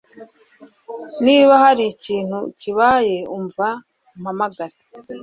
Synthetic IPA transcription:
niːβahaɾiciːn̥huciβaje̞uɱva | mhamaɡaɾe

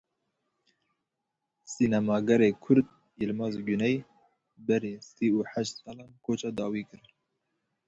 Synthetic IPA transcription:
sinamɑːɡɛɾekʰʊɾd̪̚ | jilmɑːzɡunɛj | bɛɾesiuːħæʃt̪sɑlɑːmkʰot͡ʃɑːd̪ɑːwiːkɨɾɨ

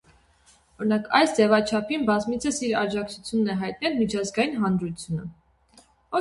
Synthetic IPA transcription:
ɔɾinɑkʰɑ̰jsd͡zɛvɑt͡ʃʰɑpʰinbɑzmit͡sʰəsiɾɑd͡ʒɑk̚t͡sʰut͡sʰjunːɛɦɑjt̪̚nɛlmit͡ʃʰɑzɡɑjinɦɑnɾut͡sʰjunə̰ | ɔ

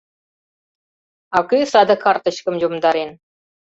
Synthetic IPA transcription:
ɑkysɑd̪ɑkʰɑrt̪ə̆ɕkə̆mʒomd̪ɑɾen

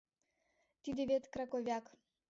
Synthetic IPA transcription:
t̪ʲid̪ʲevʲet̪kɾakovʲak

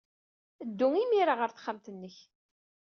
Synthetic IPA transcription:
əd̪ːʊŋimiɾaʁəɾθχːamt̪ənːəç

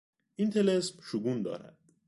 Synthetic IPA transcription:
ʔint̪ʰelesmʃuɡuːnd̪ɒ̰ːɾæ̰d̪̥

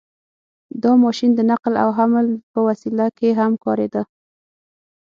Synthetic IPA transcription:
d̪ɑmɑʃind̪ənaqla̰wɦaməlpəwasilakeɦamkɑɾed̪a

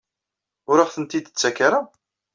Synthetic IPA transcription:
ʊɾaʁθənt̪id̪t͡sːækːaɾa

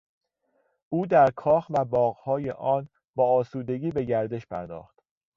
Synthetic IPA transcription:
ʔuːd̪æɾkʰɒːxvæbɒːɣhɒːjḛʔɒːn | bɒːɒːsuːd̪e̞ɡiːbe̞ɟæɾd̪e̞ʃpʰæ̰ɾd̪ɒ̰ːxt̪

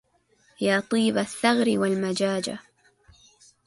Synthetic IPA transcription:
jaːt̪ˤiːbaθːaɣɾɪwalmad͡ʒaːd͡ʒa̰

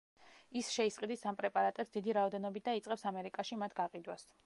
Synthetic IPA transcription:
isʃɛisqʼid̪isampʼɾɛpʼaɾat̪ʼɛpsd̪id̪iɾaɔd̪ɛnɔbit̪̚d̪ait̪sʼqʼɛpsamɛɾikʼaʃimat̪ʰɡaqʼid̪was

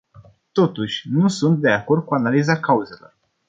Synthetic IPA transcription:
t̪o̞t̪uʃʲnusunt̪̚d̪e̞ako̞rd̪̚kuanalizakauze̞lo̞r

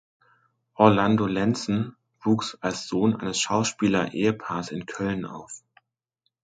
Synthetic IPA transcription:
ʔɔɐlandolɛnt͡sn̩ | v̥uːksalsz̥oːnʔa̰ɪnəsʃaʊʃpiːlɐʔḛːəpʰaːɐsɪnkʰœlna̰ʊf

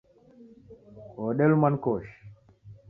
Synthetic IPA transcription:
ɔːɗɛlmankɔʃ

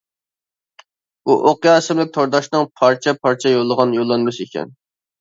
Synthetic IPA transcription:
uʔoqjɑːsɪmlɪk̚ʲt̪ʰoɾd̪ɑʃnɨŋpʰɑɾt͡ʃʰɛpʰɑɾt͡ʃʰɛjolˠːəʁɑnjolˠːɑnmɨʃekʲɛ̰n

